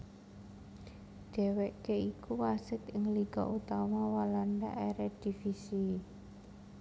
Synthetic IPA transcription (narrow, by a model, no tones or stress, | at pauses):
d̪̥ɛ̤weʔkeikuwasɪt̪ɪŋliɡ̥ɔ̰ʔut̪amawalanda̰ʔeɾed̪̥i̤fisi